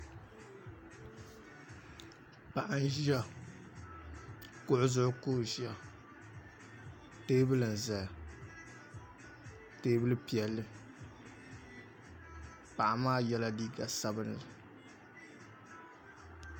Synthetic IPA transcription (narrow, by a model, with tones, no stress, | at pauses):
pa˨ʔa˦n˦ʒi˦a˦ | kʊ˦ʔʊ˦zʊ˦˨ʔʊ˦kʊː˦˨ʒi˦a˨ | teː˦bɨ˦lɨ˨n˨za˨a˨ | teː˦bɨ˦lɨ˦pi˨ɛ˨lːɨ˦ | pa˨ʔa˨maː˦jɛ˦la˦diː˦ɡa˨sa˦bɨ˦n˨la˨